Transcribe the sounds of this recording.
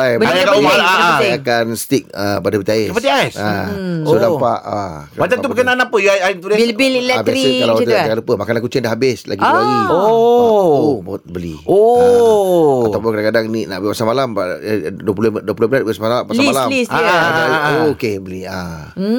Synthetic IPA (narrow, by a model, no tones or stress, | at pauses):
ajbəajakaalaakanst̪ik̚əpadəpət̪iaiəpət̪iajsasodapaʔakbat͡ʃat̪ubukananapəjuaait̪ulebililɛb̪jaɾsiəkalawt̪kalupəmakanakut͡ʃɪndahɦabɪslʔa̰ɡiaio | ubaot̪̚bəlio | aawpʊnkadakadaŋnina̰ʔbpasaŋmalamaduəpuloduəpulobəlat̪̚basamalapaslamalamisəaajukebəlia